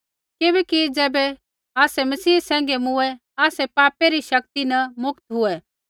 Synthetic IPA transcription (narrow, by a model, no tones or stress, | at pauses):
kɪbɛkid͡zɛːbɛ | aːsɛmɐsiːsɛ̃ːŋ̆ɡemʊɛ | aːsɛpaːpeɾiʃɐk̚t̪inɐmʊkt̪ɦʊɛ